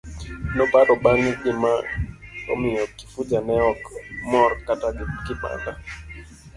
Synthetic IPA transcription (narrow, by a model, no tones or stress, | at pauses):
nɔbaɾɔbaŋɡɪmaɔ̰mɪɔkːi̥fud͡ʒanɛɔkmɔɾkatakɪpa̰nda